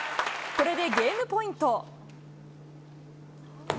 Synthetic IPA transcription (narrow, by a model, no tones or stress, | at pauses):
koɾe̞d̪e̞ɡeːmɯpoĩnt̪o